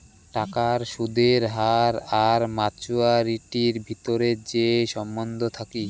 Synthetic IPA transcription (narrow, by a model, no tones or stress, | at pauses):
ʈakaɾʃud̪ʱeɾɦaɾaɾmat͡ɕuaɾiʈiɾbʱit̪oɾeɾd͡ʑeʃɔmbond̪ʱot̪ʰaki